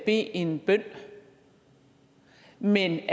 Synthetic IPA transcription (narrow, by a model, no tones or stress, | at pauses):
b̥e̝̰ːe̝nb̥œn̰ | men